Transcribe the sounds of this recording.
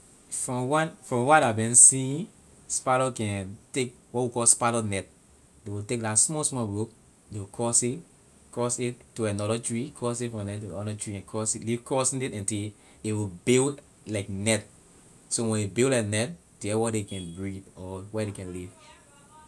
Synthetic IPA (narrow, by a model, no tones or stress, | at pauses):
fɹɔ̃mwanfɹɔ̃mwatabĩnsĩĩ | spaɾɔkɛ̃ntek̚ | wɔtwikɔlspalɔnɛt̚ | dewitek̚dasmɔsmɔbok | dewikʰɔsi | kɔsituɛ̃nɔɾɔtɹikʰɔsifɹɔ̃mnɛtuɔdɔtɹiɛ̃nkʰɔsilivkɔsnɛtɛ̃ntil | dewibild | laɪknɛt̚ | sowɛ̃ndebillaknɛt̚ | deɛwɔdekɛ̃nbɹidɔwɛdekɛ̃nliv